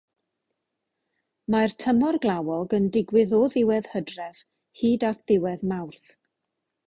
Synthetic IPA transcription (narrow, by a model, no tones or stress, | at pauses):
martʰəmɔrɡlˠawɔɡəndɪɡwɪðɔðɪwɛð̥hədrɛv̥ | hiːdatʰðɪwɛðmawrθ